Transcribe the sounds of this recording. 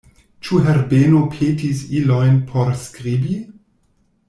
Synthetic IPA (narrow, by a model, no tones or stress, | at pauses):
t͡ʃuɦɛɾbenopʰetisilojnpʰoɾskʁibi